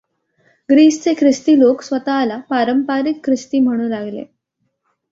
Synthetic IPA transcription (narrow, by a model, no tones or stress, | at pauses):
ɡɾiːst͡sekʰɾist̪iːloksʋət̪aːlapaɾəmpaɾikʰːɾist̪iːm̤əɽ̃ũːlaɡlḛ